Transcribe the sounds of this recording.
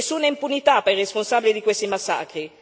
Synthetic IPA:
sːuːnaimpunit̪apːajresponsaːbilid̪ikwest̪imasːa̰ːkɾi

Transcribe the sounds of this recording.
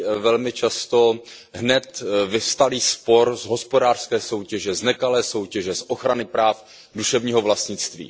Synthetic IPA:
vɛlmɪt͡ʃast̪o̞ | ɦnɛt̪vɪfst̪aliːspo̞ɾzɦo̞spo̞daːr̥skɛːso̞wcɛʒɛznɛkalɛːso̞wcɛʒɛsʔoxɾanɪpɾaːf | duʃɛvɲiːɦovlast̪ɲɪt͡st̪vḭː

